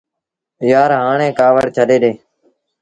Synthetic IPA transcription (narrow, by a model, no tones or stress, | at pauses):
jaːɾɦaːɳẽːkaːʋəɽt͡ʃʰəɗeːɗeː